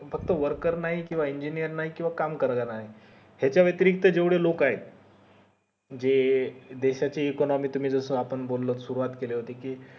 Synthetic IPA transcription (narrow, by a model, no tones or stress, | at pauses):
fəkt̪əʋəɾkəɾnaɦikĩw̃ʋaiɲd͡ʑinijəɾnaɦikĩw̃ʋakamkəɾlanaɦi | hjat͡ɕjaʋjət̪iɾik̚t̪əd͡ʑeʋɽelokaɦet̪̚ | d͡ʑed̪eɕat͡ɕeːkɔnɔmiːt̪um̤iːd͡zəsəːapəɳbolːət̪suɾuʋat̪keleɦot̪ekiː